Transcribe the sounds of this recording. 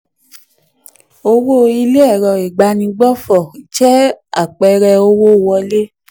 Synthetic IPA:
o˧wo˦˨i˧le˦ɛ˦˨ɾɔ˨i˨ɡ͡ba˧nĩ˧ɡ͡bɔ˦fɔ˨i˨t͡ʃɛ˦a̰˦˨k͡pɛ˧ɾɛ˧o˧wo˦˨wɔ˧le˦

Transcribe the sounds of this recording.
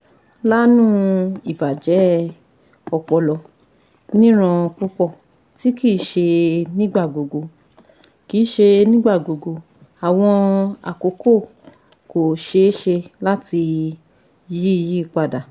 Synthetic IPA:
la˦nũ˦i˨ba˨d͡ʒɛ˨˦ | ɔ˨k͡pɔ˧lɔ˧ | nĩ˦ɾ̃ã˧ku˦k͡pɔ˦˨ | ti˨˦ki˦˨˦ʃe˧nĩ˦ɡ͡ba˦˨ɡo˨ɡo˨˧ | ki˨˦ʃe˧nĩ˦ɡ͡ba˦˨ɡo˨ɡo˧ | a˨w̃ɔ̃˧a̰˨ko˨˦ko˦˨ | ko˨ʃe˧˦ʃe˧la˦ti˧ | ji˦i˧ji˦˨k͡pa˧da˨

